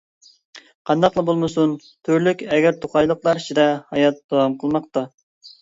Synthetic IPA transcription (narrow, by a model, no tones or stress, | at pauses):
qʰɑnd̪ɑqlˠɑbolˠmɨsun | t̪ʰyɾlykʲɛɡʲæɾt̪ʰoqʰɑjlˠəqlˠɑɾt͡ʃʰid̪ɛhɑjɑt̪̚d̪̥owɑmqʰəlˠmɑq̚t̪ɑ